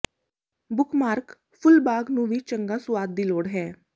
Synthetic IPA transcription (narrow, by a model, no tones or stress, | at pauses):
bʊkmaːɾk | pʰʊlbaːɡnũːʋiːt͡ʃəŋɡaːsʊaːd̪̚ːiːloːɽɦɛː